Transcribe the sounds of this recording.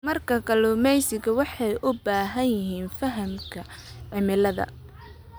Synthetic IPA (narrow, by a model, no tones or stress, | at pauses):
mɐrkʰɐkʰɐlɔmɛjsɪɡɐwɑħɑjʔʊbaːɦɐnjɪɦiːnfɐɦɐmkʰɐ | ʕɪmɪlɐðɐ̰